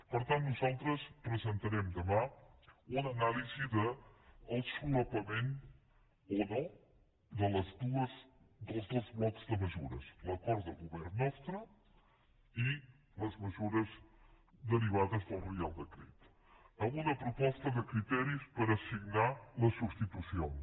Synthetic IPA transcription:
pəɾt̪ãnt̪nuzalˠt̪ɾəspɾəzənt̪əɾɛmd̪əmã | unənaliziðəːlˠd̪skuləpəmẽn | onɔ | d̪ələzd̪uəz | d̪əlˠzðozmɔt̪zðəməzuɾə̰sləkɔɾt̪̚ðəlˠɣuβɛɾːɔst̪ɾu | i | ləzməzuɾəz | d̪əɾiβaðəzðəlˠrialˠd̪əkɾɛt̪ | əlunəpɾupɔst̪əðəkɾit̪ɛɾispəɾəsiɡnaləsubst̪it̪usion

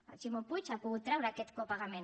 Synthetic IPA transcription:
at͡ʃimopujt͡ʃapuɣut̪t̪ːɾawɾaket̪kopaɣamen

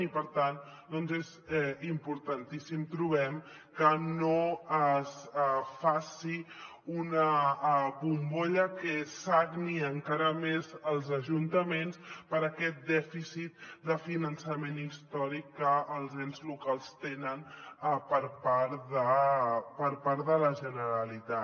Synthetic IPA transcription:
ipəɾt̪an | d̪ɔnzezɛimpuɾt̪ənt̪isimt̪ɾuβɛm | kənoəsfasi | unə | βumboʎəkəsakniəŋkaɾəmezəlˠzəʒunt̪əmenspəɾəkɛt̪̚d̪ɛfisit̪̚d̪əfinənsəmenist̪ɔɾikːəːlˠzɛnzlukalˠst̪enənpəɾpaɾðəpəɾpaɾðələʒənəɾəlit̪a

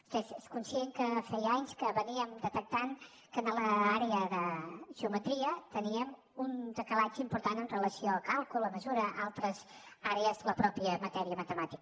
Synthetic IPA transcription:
fezeskunsiɛŋkəfɛjaɲskəβəniəmd̪ət̪ək̚t̪aŋ | kənələaɾeəðəʒ̥əumət̪ɾiət̪əniəm | und̪əkəlad͡ʒəimpuɾt̪anənrələsioəlˠkalˠkulˠəməzuɾəʔalˠt̪ɾəzaɾeəzləpɾɔpiəmət̪ɛɾiəmət̪əmat̪ik

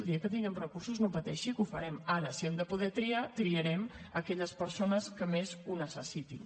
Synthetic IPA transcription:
d̪iəkət̪iŋɡɛmrəkuɾsuznopət̪ɛʃikufəɾɛmaɾəsiɛmd̪əpuðɛt̪ɾiat̪ɾiəɾɛm | əkɛʎəspəɾsonəskəmezunəsəsit̪in

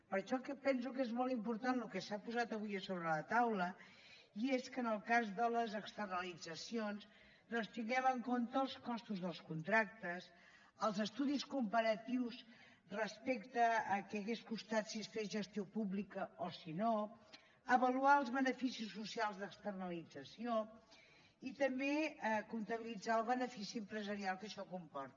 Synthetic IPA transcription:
pəɾʃɔkɛpɛns̬ukezmɔlˠt̪impuɾt̪anlukɛsapuzat̪əβ̞ujəsoβɾələt̪awlə | ieskənəlˠkazðələzəkst̪ərnəlid͡zəsions | d̪ɔnst̪iŋɡɛβəŋkont̪əːlˠskɔst̪uzðəlˠskunt̪ɾak̚t̪əs | əlˠzəst̪uðiskumpəɾət̪iws | rəspekt̪əːkɛəɣeskust̪at̪sisfezʒəst̪iopuβlikəosino | əβəluaəlˠzβənəfisisːusialˠzðəkst̪ərnəlid͡zəsio | it̪əmbeəkunt̪əβilid͡zaəlˠβənəfisiəmpɾəzəɾialˠkəʃɔkumpɔɾt̪

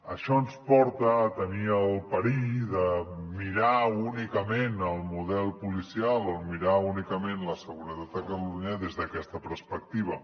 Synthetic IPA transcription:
əʃɔənspɔɾt̪ət̪əniəlˠpəɾiðəmiɾaunikəmenəlˠmuðɛlˠpulisialˠəlˠmiɾaunikəmenləsəɣuɾət̪at̪̚d̪əkluɲəðezðəkɛst̪əpəɾspək̚t̪iβ̞ə

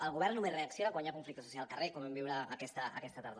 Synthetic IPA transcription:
əlˠɣuβ̞ɛrnːumesreəksjonakwaɲakuɱflik̚t̪asusjalˠkərekomɛmbiwɾəəkɛst̪ə̰ːkɛst̪at̪aɾð

